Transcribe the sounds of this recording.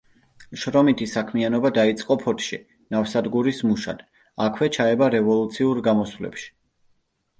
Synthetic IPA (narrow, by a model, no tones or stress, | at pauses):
ʃɾɔmit̪ʰisakʰmianɔbad̪ait̪sʼqʼɔpʰɔɾt̪ʰʃi | nafsad̪ɡuɾismuʃa̰d̪̥ | akʰwɛt͡ʃʰaɛbaɾɛvɔlˠut̪sʰiuɾɡamɔswlɛ̰pʃi̥